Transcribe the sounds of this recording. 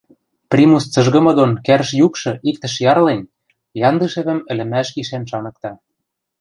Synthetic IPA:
prʲimust͡sɤ̆ʒɣɤ̆mɤ̆d̪onkæɾʃjukʃɤ̆ʔik̚t̪ə̆ʃjɑrlen | jɑnd̪ɤʃĕβɘ̆mɘ̆lɘ̆mæʃkiʃænʃɑnɤ̆k̚t̪ɑ

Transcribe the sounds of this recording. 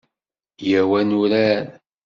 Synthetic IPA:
jæwænʊɾæn

